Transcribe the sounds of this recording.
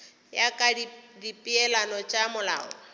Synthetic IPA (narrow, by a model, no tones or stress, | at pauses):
jakʼadidipʼiɛlanɔt͡ʃʼamʊla̰ːɔ̰